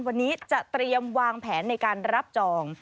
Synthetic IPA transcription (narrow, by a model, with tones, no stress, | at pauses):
nwa˧nːiː˦˥t͡ɕa˨˩t̪ɾi˧əmwaː˧ŋpʰɛː˩˦nːa˧jkaː˧nɾa˦˥p̚t͡ɕɔː˧ŋ